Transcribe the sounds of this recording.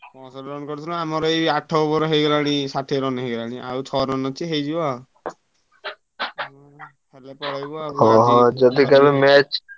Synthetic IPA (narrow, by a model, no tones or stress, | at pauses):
pɔsɔʈɾɔnkɔɾut̪ʰilãamɔɾɔejaʈʰɔubɔɾɔɦejɡɔɾaɽ̃isaʈʰiɾɔnɦejɡɾaɽ̃ia̰ut͡ʃʰɔɾɔnɔt͡ʃʰiɦejd͡ʒia | pʰelepɔɽajbɔaɔɦɔd͡ʒɔd̪ikabemɛt͡ʃ